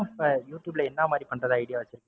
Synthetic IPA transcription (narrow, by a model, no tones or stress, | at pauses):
pɐjuːʈjuːblɐɛnːɐmaːd̪ɾipɐɳrɐðaɐɪɽɪjaːʋɐt͡ʃːɪɾɯkːɯ